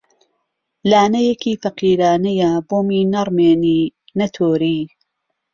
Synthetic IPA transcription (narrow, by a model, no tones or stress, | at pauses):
laːnɐjekiːfɐqiːɾaːnɐjɐboːmiːnɐrmeːniː | nɐt̪ʰoːɾiː